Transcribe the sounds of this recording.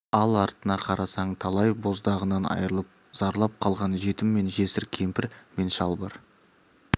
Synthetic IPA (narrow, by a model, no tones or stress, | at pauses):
ɑlˠɑɾt̪ənɑqʰɑɾɑsɑɴt̪ʰɑlˠɑjbo̞zd̪ɑʁənɑnɑ̰jɾəlˠəp̚z̥ɑɾlˠɑp̚qʰɑlˠʁɑnʒe̞t̪ɪmːe̞nʒe̞sɪɾkʲʰe̞mpɪɾme̞nʃɑlˠbɑ̰ɾ